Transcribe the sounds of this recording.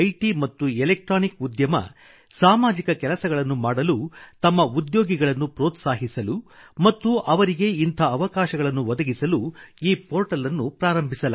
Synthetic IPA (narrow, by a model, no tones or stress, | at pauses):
ɐjʈimɐt̪ːuelek̚ʈɾaːnikud̪jɐmɐ̰ | saːmaːd͡ʒikɐkɛlɐsɐɡɐɭɐnːumaːɽɐlut̪ɐmːɐud̪joːɡiɡɐɭɐnːupɾɔːt̪saːɦisɐlumɐt̪ːuʔɐʋɐɾiɡe̞int̪ʰɐːʋɐkaːʃɐɡɐɭɐnːuʋɔd̪ɐɡisɐluiːpʰoːɾʈɐlɐnːupɾaːɾɐmbʱisɐlɐ